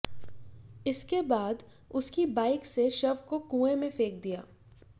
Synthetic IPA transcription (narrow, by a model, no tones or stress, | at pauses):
ɪskebaːd̪ | ʊskibaːɪkseʃɐbkokũːẽmẽfeːk̚d̪ija̰ː